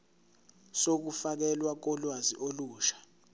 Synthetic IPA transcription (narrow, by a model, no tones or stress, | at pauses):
sok̬ufak̬ɛlwak̬ɔlwaziʔoluːʃḁ